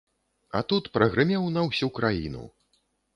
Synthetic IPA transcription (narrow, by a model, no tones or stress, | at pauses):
ɐ̰t̪ut̪pɾɐɣɾɨmʲɛwnɐwsʲukɾajḭnṵ